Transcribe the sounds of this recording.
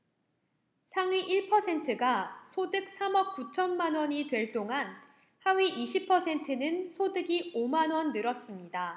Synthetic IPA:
sʰaŋɥiʔiɭpʰʌsʰe̞ntʰɯɡasʰodɯk̚s͈ʰamʌp̚k͈ut͡ɕʰʌnmanwʌɲitwe̞ɭt͈oŋan | hawiʔiɕʰipʰʌsʰe̞ntʰɯnɯnsʰodɯɡiomanwʌnːɯɾʌs͈ɯmɲida

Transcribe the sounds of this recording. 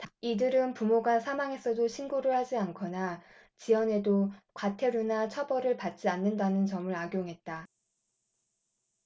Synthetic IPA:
tidɯɾɯnpumoɡasʰamaŋe̞s͈ʰʌdoɕʰinɡuɾɯɭhad͡ʑiankʰʌna | t͡ɕiʌne̞dokwatʰe̞ɾunat͡ɕʰʌbʌɾɯɭpat̚t͡ɕ͈ianːɯndanɯnt͡ɕʌmɯɾaɡjoŋɦe̞t̚t͈a

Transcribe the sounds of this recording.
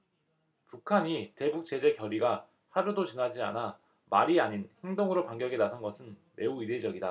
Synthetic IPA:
pukʰaɲite̞buk̚t͡ɕ͈e̞d͡ʑe̞kjʌɾiɡa | haɾudot͡ɕinad͡ʑia̰na | maɾiaɲinhe̞ŋdoŋɯɾopaŋɡjʌɡenasʰʌnɡʌsʰɯnme̞uide̞d͡ʑʌɡida

